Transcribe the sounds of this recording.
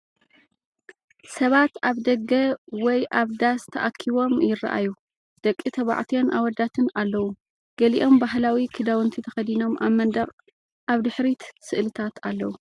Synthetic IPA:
sɐβat̪aβd̪ɐɡɐwɔjʔaβd̪ast̪ʰɐʔakʰːiβo̞mjɪrːa̰ʔa̰ju | d̪̥ɐkʼːit̪ʰɐβa̰ʕt̪ʰijonʔawɔd̪at̪ʰɨnalːɐwu | ɡ̥ɐliʔo̞mbaɦlawikʰid̪awɨnt̪ʰit̪ʰɐxɐd̪ino̞ma̰βmːɐnd̪ɐqʼ | ʔaβd̪ɨħɾit̪sɨʔlɨt̪ʰat̪ʰalːɐwu

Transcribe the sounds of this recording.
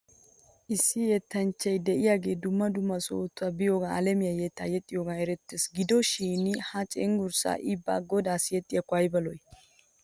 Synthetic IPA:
ʔɪsːɪjɛt̪ːɐnt͡ʃːɐjd̪ɛʔɪjaːɡe̞ːd̪ʊmːɐd̪ʊmːɐso̰ːt̪ːʊɐbɪjoːɡaɐlɛmɪjajɛt̪ːa̰ːjɛt̪ʼːɪjoːɡaɛɾɛt̪ːeːsɡɪd̪ɔʃiːnhɐt͡ʃʼɛŋɡʊɾsa̰ːʔɪbːa̰ːɡɔd̪aːsɪjɛt̪ʼːɪjɐkʊɐjbɐlɔj

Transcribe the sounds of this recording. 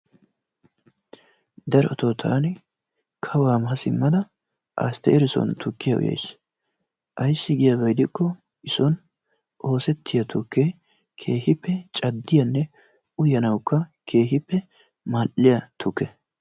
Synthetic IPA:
d̪ɐɾɛɔt̪oːt̪ʰaːnɪ | kʰɐwaːmɐɦɐsɪmːɐd̪ɐ | ʔa̰st̪ɛʔɛɾɪsɔ̰nt̪ʰʊkːɪjɐʔʊ̰jḛjs | ʔɐjsːɪɡɪjɐbɐjd̪ɪkːɔ | ɪsɔn | ʔo̞ːsɛt̪ʰːɪjɐt̪ʰʊkːe | kʰe̞ːhɪpːɛt͡ʃʼɐd̪ːɪjɐnːɛ | ʊjɐnɐwkːɐkʰe̞ːɦɪpːɛ | maːʔːɪjɐt̪ʰʊkːɛ

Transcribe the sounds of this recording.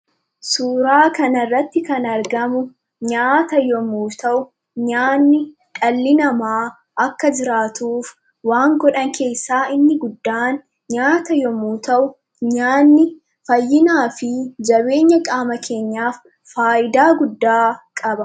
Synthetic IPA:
suːɾaːkɐnɐrːɐt̪ːɪkɐnɐɾɡɐmʊ | ɲaːt̪ɐjɔmuːt̪ɐʔʊ | ɲaːnːɪ | ᶑʼɐlːɪnɐmaː | ʔɐkːɐd͡ʒɪɾaːt̪uːf | waːŋɡɔᶑɐŋkʰe̞ːsːaːɪnːɪɡʊd̪ːaːn | ɲaːt̪ɐjɔmuːt̪ɐʔʊ | ɲaːnːɪ | fɐjːɪnaːfɪd͡ʒɐbe̞ːɲːɐkʼaːmɐkʰe̞ːɲːaːfː | aːʔɪd̪aːɡʊd̪ːaːkʼɐbɐ

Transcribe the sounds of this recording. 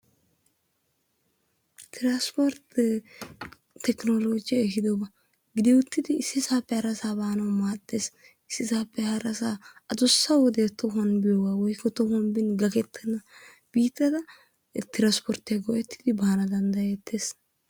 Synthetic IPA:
t̪ɪɾaspɔɾt̪ | t̪ːɛknoloːd͡ʒɪjekɪd̪obɐ | ɡɪd̪ɛʊt̪ːɪd̪ɪːsːɪsaːpːɛhɐɾɐsaːbaːnɐwmaːt̪ːeːs | ɪsːɪsaːpːɛhɐɾɐsaːɐd̪ʊsːɐwɔd̪eːt̪ːɔɦɐnbɪjoːɡaːwɔjkːɔt̪ɔhɐnbɪnɡɐkɛt̪ʰːɛnːɐ | b̥iːt̪ːɐd̪ɐ | t̪ɪɾaspʰɔɾt̪ɛɡɔʔɛt̪ʰːɪ̥d̪ɪbaːɐnɐd̪ɐnd̪ɐjet̪ʰːeːs

